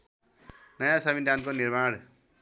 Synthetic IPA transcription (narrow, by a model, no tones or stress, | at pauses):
nʌjãsʌmidʱankonirmaɽ